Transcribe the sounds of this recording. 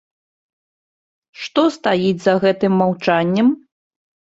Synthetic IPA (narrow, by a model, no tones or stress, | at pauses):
ʂt̪ɔst̪ajid͡zʲzɐɣɛt̪ɨmːawt͡ʂanʲːɐm